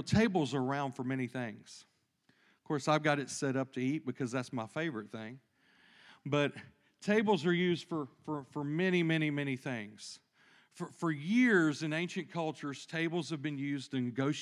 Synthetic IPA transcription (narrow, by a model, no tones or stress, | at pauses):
tʰeɪbl̩ˠzə˞ə˞ãʊ̃nd̥fə˞mɛñiθɪ̃ŋz̥ | ʌv̥kʰɔɹsaɪvɡɑɾɨtsɛɾʌp̚tʰɨit̚b̥ɨkʰʌzðætsmaɪfeɪvə˞ɨt̪̚θɪ̃ŋ | bʌt̚ | tʰeɪbl̩ˠzə˞jʉzd̥fə˞fə˞fə˞mɛñimɛñimɛniθɪ̃ŋz̥ | fə˞fə˞jɪɹzɨ̃nẽɪ̃nʃɨ̃nkʰʌlˠt͡ʃə˞z̥tʰeɪbl̩ˠz̥ɨvbɨ̃njʉzdɨ̃nɡoʊʃ